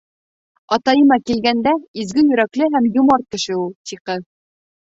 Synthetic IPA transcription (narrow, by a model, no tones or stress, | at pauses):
ɑt̪ɑjɤmɑkilɡænd̪æizɡɘjɵ̆ɾæklɘɦæmjumɑɾ̚kɘ̆ʃɘulˠt̪ʰiqɤð